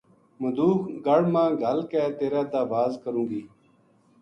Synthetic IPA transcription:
məd̪uːkɡəɽ̤mãːɡʱəlkɛːt̪eːɾɛːd̪aːbaːzkəɾũːɡiː

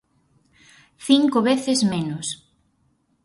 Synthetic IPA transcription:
θiŋkoβeθɪzmenʊs

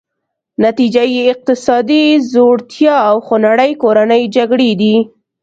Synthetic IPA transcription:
nat̪id͡ʒajeːq̚t̪ɪsɑd̪izoɽt̪jɑawxonaɽəjkoɾanəjd͡ʒaɡɽed̪i

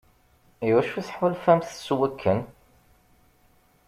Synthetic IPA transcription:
iwæʃuθəħwəlfæmθswækʰːən

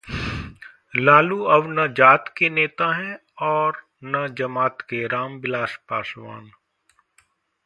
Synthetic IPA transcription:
laːluɐʋnɐd͡ʒaːt̪keneːt̪aɦɛ̃ | ɔːɾ | nɐd͡ʒɐmaːt̪keɾaːmbɪlaːʃpaːʃʋa̰ːn

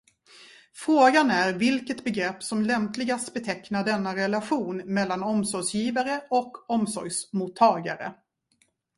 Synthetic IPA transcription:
fɾoːɡanæɾvɪlkət̪bɛɡɾɛpːsɔmlɛmplɪɡast̪bɛt̪ʰɛknaɖɛnːaɾɛlaɧuːnmɛlːanɔmsɔɾsjiːvaɾəɔkːɔmsɔ̰ɾjsmut̪ʰːɑːɡa̰ɾə̰

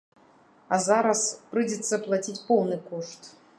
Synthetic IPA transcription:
ɐzaɾɐspɾɨd͡zʲɛt̪sːɐplˠat͡sʲit͡sʲpɔwnɨkɔʂt̪

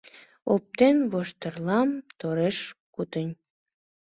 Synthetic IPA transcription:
op̚t̪enβoʃt̪ərlɑmt̪oɾeʃkut̪ənʲ

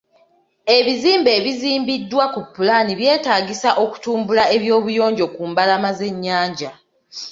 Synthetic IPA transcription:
e̞βiziːmbe̞ːβiziːmbidːwakupːulaniβje̞ːtaːɡisaʔo̞ku̥tuːmbulae̞βjo̞ːβujo̞ːɲɟo̞kuːmbalamaze̞ɲːaːɲɟa

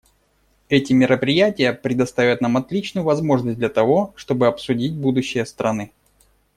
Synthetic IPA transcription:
ɛtʲɪmʲɪɾəpɾʲɪjætʲɪjəpɾʲɪd̪ɐst̪avʲət̪namɐt̪lʲit͡ɕnʊjʊvɐzmo̞ʐnəsʲtdlʲɐt̪ɐvo̞ʂt̪o̞bɨɐpsʊdʲit̚ʲbud̪ʊɕːɪjəst̪ɾɐnɨ

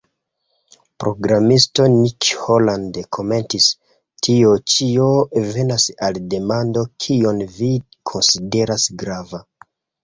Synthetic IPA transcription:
pɾo̞ɡɾamisto̞nikholandekʰo̞me̞ntis | tʰio̞t͡ʃiove̞nasalde̞mando̞kʰio̞nvi | kʰo̞nside̞ɾasɡɾava

